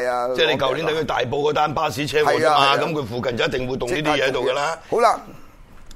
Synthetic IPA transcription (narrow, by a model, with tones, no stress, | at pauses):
ɛː˥˩ne˧kɐ˨wli˨˥nt̪ɐ˨˥jkʰɵ˧t̪a̰ː˨jpo˧wkɔː˨˥t̪aː˥npaː˥wsiː˨˥t͡sʰɛː˥wɔː˨kɐ˥maː˧kɐ˨˦mkʰɵ˧ɥfuː˨kɐ˨nt͡sɐ˨˦jɐ˥t̪ɪ˨ŋwu˨˧jt̪ŋnː˥iː˥t̪i˧˦˥ɛː˧ɐ˦˥jt̪wkɐ˧laː˥o˨˦wa˧